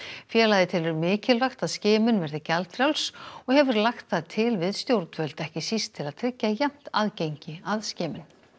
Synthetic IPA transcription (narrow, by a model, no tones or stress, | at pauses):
fjɛːlajðɪt̪ʰɪlʏɾmɪːcɪlvaxt̪aðscɪːmʏnvɛɾðɪcalt̪ɾjawlsɔɣhɛvʏɾlaxt̪θaðt̪ʰɪlvɪðst̪jowɾt̪nvœlt̪ɛhcɪsist̪ʰːɪlaðt̪ʰɾɪcːajam̥t̪aðcejɲcɪaðscɪːmɪn